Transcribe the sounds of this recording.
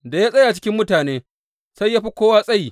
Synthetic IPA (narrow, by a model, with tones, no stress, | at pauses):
da˨ja˦sʼɐ˦ja˨t͡ʃɪ̥˦kʲɪ˦mːʊ˦taː˨neː˦ | sa˦jːaː˦ɸi˦kʷoː˦waː˦sʼɐ˦ji˨